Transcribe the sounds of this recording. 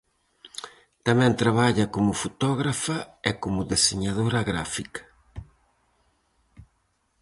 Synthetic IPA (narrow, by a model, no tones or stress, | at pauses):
t̪amɛ̃nt̪ɾaβaʎɐkomʊfut̪ɔɣɾafɐɛkomʊðeseɲaðoɾaɣɾafikɐ̥